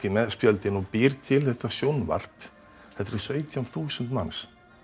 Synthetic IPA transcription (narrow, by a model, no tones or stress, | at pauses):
ɪmɛðspjœlt̪ɪnɔpɪɾt̪ʰɪlθɛht̪asjownva̰r̥p | hɛt̪ɾɪsœːɥt̪ʰjanθuːsənt̪ma̰ns